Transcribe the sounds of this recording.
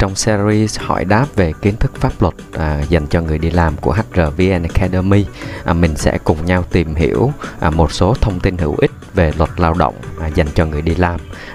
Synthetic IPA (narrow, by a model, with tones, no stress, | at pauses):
t͡ɕɔ˧wŋ͡msi˧zi˧shɔ̰˧˩jɗaː˦˥p̚ve˨˩ki˨˦ənt̪ʰɨ˦˥k̚faː˦˥p̚lwə˨˩t̚ʔza˨˩jŋ̟t͡ɕɔ˧ŋɨ˨˩əjɗi˧laː˨˩mku˧˩əɦa˦˥k̚zəː˨˩vi˧ʔɛ˧n˧kʰɛ˧ɗə˧mi˧ʔmï˨˩ŋ̟sɛ̰˧˥kʊ˨˩ŋ͡mɲa˧wt̪i˨˩mɦḭ˧˩əwʔmo˨˩t̚so˨˦t̪ʰə˧wŋ͡mt̪i˧nɦḭ˧˩əwʔï˦˥k̟̚ve˨˩lwə˨˩t̚laː˧wɗə̰˧˨wŋ͡mza˨˩jŋ̟t͡ɕɔ˧ŋɨ˨˩əjɗi˧laː˧m